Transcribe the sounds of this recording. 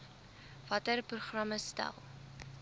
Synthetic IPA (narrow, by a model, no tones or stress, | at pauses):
vɐtərpruχrɐməstæ̰lˠ